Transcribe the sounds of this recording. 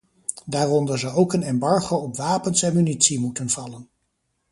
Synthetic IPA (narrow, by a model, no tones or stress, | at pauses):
daːrɔndəɹzəowkənɛmbɑɹχowɔpʋaːpənsɛnmynitsimutənv̥ɑlən